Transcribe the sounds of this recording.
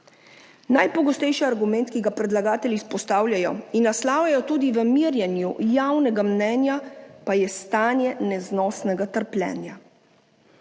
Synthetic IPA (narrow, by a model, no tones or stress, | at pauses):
najpɔɡɔst̪ɛjʃiaɾɡumɛ̃nt̪kiɡapɾɛd̪laɡaːt̪ɛlʲispɔst̪aːwlʲjajɔinːaslaːwjajɔt̪uːd̪iʋəmiɾjɛnjujawnɛɡamnɛːnjapajɛst̪aːnjɛnɛznɔːsnɛɡat̪əɾplʲɛ̰ːnja